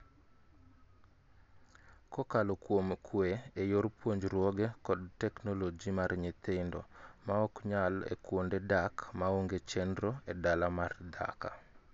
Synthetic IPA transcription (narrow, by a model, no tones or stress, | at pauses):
kɔkalɔkwomkʰweejoɾpwoɲd͡ʒɾwɔɡɛkɔd̚tɛknolod͡ʒimarɲɪt̪ɪndɔ̰maɔkɲalḛkwondedakmaoŋɡet͡ʃɛndɾɔɛdalamard̪a̰ka̰